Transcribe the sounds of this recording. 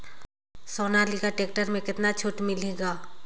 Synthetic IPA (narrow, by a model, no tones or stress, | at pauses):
soːnaːlikaʈeːk̚ʈəɾmẽkɪt̪nat͡ʃʰoːʈmɪleːɡaː